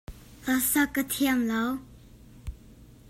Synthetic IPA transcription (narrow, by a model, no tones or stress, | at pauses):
ɬasakə̥t̪ʰejaŋlawo